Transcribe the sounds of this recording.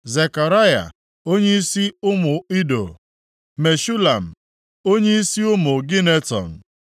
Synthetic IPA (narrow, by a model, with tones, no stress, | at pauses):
ze˨ka˨ɾa˦ja̰˨ | o˦ɲe˦i˦si˦ʊ˦mʊ˨i˦do̰˨ | me˨ʃu˦la˨m̩˨ | o˦ɲe˦i˦si˦ʊ˦mʊ˨ɡɪ˦ne˦tɔ̰˨n̩˨